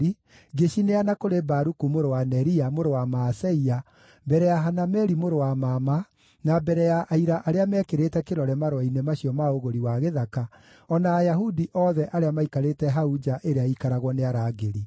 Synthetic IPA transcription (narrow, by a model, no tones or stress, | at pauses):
i | ɡeɕineanakoɾebaɾukumoɾowanɛɾiamoɾowamaːsɛia | bɛɾɛjaɦanamɛɾimoɾowamama | nabɛɾɛjaʔaiɾaʔaɾeamɛːkeɾetɛkeɾɔɾɛmaɾwainemaɕiɔmaoɣoɾiwaɣeðaka | ɔnaːjaɦudiʔɔðɛʔaɾeamaikaɾetɛɦaud͡ʒaʔeɾeaikaɾaɣwɔneaɾaːɡeɾi